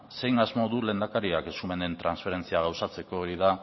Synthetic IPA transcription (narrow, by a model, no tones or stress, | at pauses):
se̞jŋazmo̞ðule̞ːnd̪akaɾiake̞sume̞nd̪e̞nt̪ɾansfe̞ɾe̞nt͡siaɣawsat͡se̞ko̞ːɾiða